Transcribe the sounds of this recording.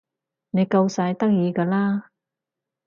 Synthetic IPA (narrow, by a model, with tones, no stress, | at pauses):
ne˨˧jkɐ˧wsaː˨˧jt̪ɐ˥k̚jiː˨˧kaː˧laː˥